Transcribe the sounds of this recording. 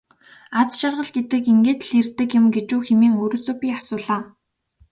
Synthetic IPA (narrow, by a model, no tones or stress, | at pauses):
at͡sʃarʁə̆ɮɡet̪ɘ̆kiŋɡeːt̪ɮirt̪ɘ̆kjɪ̆mɡet͡ɕuːxemiːŋɵɾɵ̆t͡soːpʲiːasʊːɮaː